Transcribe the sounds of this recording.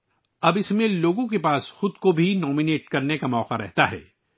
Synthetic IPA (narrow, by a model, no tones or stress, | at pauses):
ɐbɪsmẽloːɡõkepaːsxʊd̪kobʱinɔːmineːʈkɐɾnekamɔːqaɾɛ̰ɦt̪aɦɛ̰ː